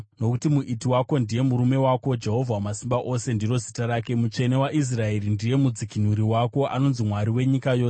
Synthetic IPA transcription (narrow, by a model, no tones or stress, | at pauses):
no̞kutimuʔitiwakondije̞muɾume̞wako̞d͡ʒe̞ɦo̞vʱwamasimbaʔo̞se̞ndiro̞zitaɾaːke̞mut͡ʃe̞ne̞waʔis̬rae̞rindije̞mud͡zikin̤uɾiwako̞ʔa̰no̞nzimwaɾiwe̞ɲikajo̞ːs